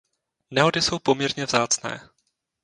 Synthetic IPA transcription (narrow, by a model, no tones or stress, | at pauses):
nɛɦo̞dɪso̞wpo̞mɲɛɾɲɛvzaːt͡snɛ̰ː